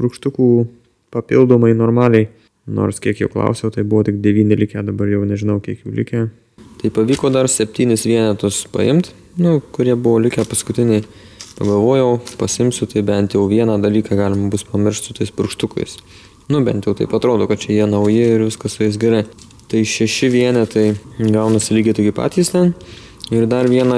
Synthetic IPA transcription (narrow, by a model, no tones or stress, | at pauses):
pɾʊkʃt̪ʊkuː | pɐpʲɪlˠd̪oːmɐɪnoːɾmɑːlʲɛɪ | no̰ːɾskʲiɛkjɛʊklˠɐ̰ʊsʲɛʊt̪ɐɪbʊʋoːtʲɪk̚dʲɛʋʲiːnʲɪlʲɪkʲæːd̪ɐbɐɾjɛʊnʲɛʒʲɪnɐʊkʲiɛkjuːlʲɪkʲæː | t̪ɐɪpɐʋʲiːkoːd̪ɐrsʲɛpʲt̪ʲiːnʲɪsʋʲiɛnʲɛt̪ʊspɐ̰ɪmt̪ | nʊkʊɾʲiɛbʊʋoːlʲɪkʲæːpɐskʊt̪ʲɪnʲɛɪ | pɐɡɐlˠʋoːjɛʊpɐsʲɪɪmsʲʊt̪ɐɪbʲɛnt̪jɛʊʋʲiɛnɑd̪ɐlʲiːkɑːɡɑːlʲɪmɐbʊspɐmʲɪɾʲrʃʲt̪sʊt̪oɪspʊɾkʃt̪ʊkɐ̰ɪs | nʊbʲɛ̰nt̪jɛʊt̪ɐɪpɐt̪ɾoːd̪oːkɐt̪̚t͡ʃʲɛjiɛnɐʊjɪɪɾʋʲɪskɐsʊjɪs̬ɡʲɛɾɐɪ | t̪ɐɪʃʲɛʃʲɪʋʲiɛnʲɛt̪ɐɪɡɐʊnɐsʲɪlʲiːɡʲɪt̪ɪɡʲɪpɑ̰ːt̪ʲiːst̪ʲɛn | ɪrd̪ɐrʋʲiɛnɑ